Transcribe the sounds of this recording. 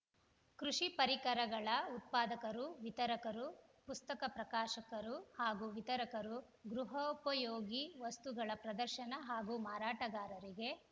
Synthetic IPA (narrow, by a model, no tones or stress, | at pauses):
kɾuʃipɐɾikɐɾɐɡɐɭɐut̪̚paːd̪ɐkɐɾuʋit̪ɐɾɐkɐɾupust̪ɐkɐpɾɐkaːʃɐkɐɾuhaːɡuʋit̪ɐɾɐkɐɾu | ɡɾuɦɐpɐjoːɡiʋɐst̪uɡɐɭɐpɾɐd̪ɐɾʃɐnɐɦaːɡumaːɾaːʈɐɡaːɾɐɾiɡe̞